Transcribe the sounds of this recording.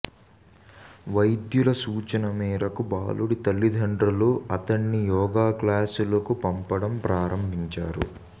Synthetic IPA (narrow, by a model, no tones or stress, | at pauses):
ʋɐjd̪julɐsuːt͡ʃɐnɐmiːɾɐkubaːluɽit̪ɐlːid̪ʱɐɳɖɾɐluɐt̪ɐɳːijɔːɡaːklaːsulɐkupɐmpɐɽɐmpɾaːɾɐmbʱiɲt͡ʃaːɾṵ